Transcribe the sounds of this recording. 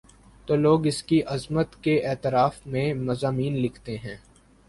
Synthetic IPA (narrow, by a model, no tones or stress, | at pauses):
t̪oːloːɡɪskiʔɐzmət̪keʔɛːt̪ɪɾaːfmẽmɐzaːmiːnlɪkʰt̪eɦɛ̃ː